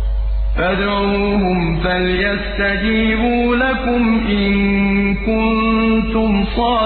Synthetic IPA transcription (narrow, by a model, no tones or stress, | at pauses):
fad̪ɾ | uːhʊm | faljast̪ad͡ʒiːbuːlakʊmʔɪnkʊnt̪ʊmsˤɑː